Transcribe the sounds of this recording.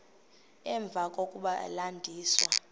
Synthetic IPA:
ɛɱb̪vʱakʼokʼuɓalandʱiːswa

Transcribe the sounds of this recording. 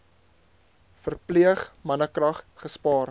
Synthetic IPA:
fərpliəχmɐnəkrɐχχəspɑːr

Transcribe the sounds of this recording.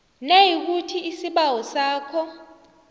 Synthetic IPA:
nejik̬utʰiisiɓawɔsaːkʰɔ

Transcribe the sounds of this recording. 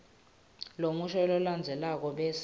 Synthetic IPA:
lomuʃɔlɔland͡zʱɛlak̬ɔɓɛs

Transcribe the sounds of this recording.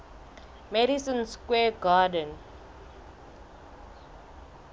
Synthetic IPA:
mɛɾisə̃nskweːɡaːɖə̃n

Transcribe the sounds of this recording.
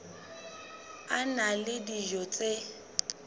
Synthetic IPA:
analɪdiʒɔt͡sʼe

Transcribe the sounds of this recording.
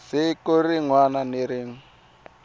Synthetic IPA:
sikoriŋwananiɾiːŋ̩

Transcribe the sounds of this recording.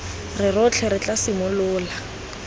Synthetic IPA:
rɪrʊt͡ɬʰɛɾɪt͡ɬʼasɪmʊlʊːla

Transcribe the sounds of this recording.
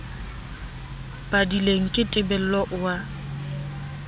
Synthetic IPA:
b̥adileŋ̩kʼɪtʼɪbɛl̩lɔʔʊwa

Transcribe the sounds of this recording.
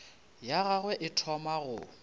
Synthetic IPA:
jaɣaɣwɛʔɪtʰɔmaɣʊ̰

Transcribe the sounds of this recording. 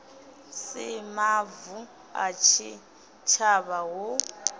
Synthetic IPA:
sɛmavu | a̰t͡ʃʰi | t͡ʃʰaβawo

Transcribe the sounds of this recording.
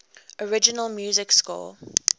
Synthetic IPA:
ɔɹɪd͡ʒɪnəlˠmjuːzɪkskɔ̰ːl

